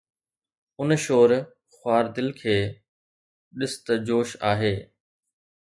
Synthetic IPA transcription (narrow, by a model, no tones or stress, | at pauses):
ʊnʃoːɾ | xwaːɾd̪ɪlkʰeː | ɗɪst̪əd͡ʑoːʃaːɦeː